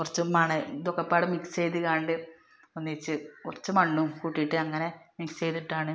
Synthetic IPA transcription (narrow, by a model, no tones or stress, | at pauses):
kurɐt͡ɕːumɐɳɨd̪okːɐpːaːɽɨmikst͡ɕe̞jðikaːɳɖɨ | onːit͡ɕːɨkurɐt͡ɕːumɐɳːukuːʈːijʈːɨɐŋːɐne̞mikst͡ɕejt̪iʈːaːɳɨ